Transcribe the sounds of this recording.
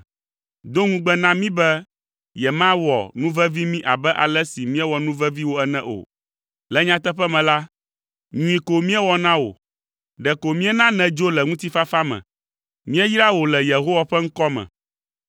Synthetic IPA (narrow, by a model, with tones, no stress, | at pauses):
d̪o˦ŋũ˦ɡ͡bɛ˦nã˦mĩ˦bɛ˦ | jɛ˨mã˦wɔ̰˨nũ˦vɛ˦vi˦mĩ˦ʔa̰˨bɛ˦ʔa̰˨lɛ˦si˨mĩ˦ɛ˦wɔ˨nũ˦vɛ˦vi˦wo˦ɛ˦nɛ̃˦ʔo̰˨ | lɛ˨˦ɲã˦t̪ɛ˦ɸɛ˦mɛ̃˨la˦ | ɲũ˦ĩ˨ko˨mĩ˦ɛ˦wɔ˦nã˦wo̰˨ | ɖɛ˨ko˨mĩ˦ɛ˦nã˦nɛ̃˨d͡ʒo˦lɛ˨ŋũ˦t̪i˦fa˦fa˦mɛ̰̃˨ | mĩ˦ɛ˦jɾa˦wo˨lɛ˨je˨ɦo˦wa˨ɸɛ˦ŋ̩˦kɔ˦mɛ̰̃˨